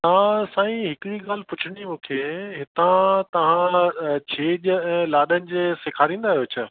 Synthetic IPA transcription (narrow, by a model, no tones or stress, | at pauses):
t̪ɐʋ̤ãsãːĩɦɪkɪɽiɠaːl̤pʊt͡ɕʰɪɽ̃imũːkʰeɦɪt̪ãt̪ɐʋ̤ãt͡ɕʰeːʄɛ̃ːlaːɗənɪ̆d͡ʑesɪkʰaːɾĩːn̆d̪aːɦijoːt͡ɕʰɐ